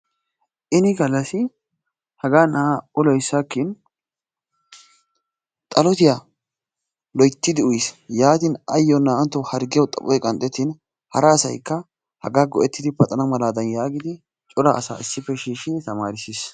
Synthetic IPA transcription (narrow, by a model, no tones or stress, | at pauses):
ʔɪnɪɡɐlːɐsɪ | hɐɡaːnaʊlɔjsːaːkːɪn | t̪ʼɐlɔt̪ɪja | lɔjt̪ːɪd̪ɪʊjsjaːt̪ɪnɐjːɔnaːnt̪ːɔhɐɾɡɪjɔt̪ʼɐ̰pʼɔjkʼɐnt̪ʼːɛt̪ːɪn | hɐɾɐːsɐ̰jkːɐ | hɐ̰ɡaːɡɔʔɛt̪ːɪd̪ɪbɐt̪ʼɐnɐmɐlaːd̪ɐnjaːɡɪd̪ɪ | t͡ʃʼɔɾa̰ʔːsa̰ːɪsːɪpːɛʃiːʃːɪd̪ɪt̪ɐmaːɾɪsiːs